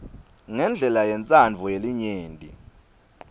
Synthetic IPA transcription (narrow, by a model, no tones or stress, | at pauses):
ŋɛnd͡ɮʱɛlajɛnt͡sʼand͡vʱɔjeliɲeːntʼḭ